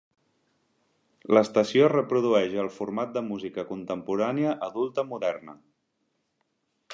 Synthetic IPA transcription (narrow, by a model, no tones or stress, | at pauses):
ləst̪əsiorəpɾuð̞uɛʒəlˠfuɾmat̪̚d̪əmuzikəkunt̪əmpuɾaniəʔəðulˠt̪əmuðɛɾnə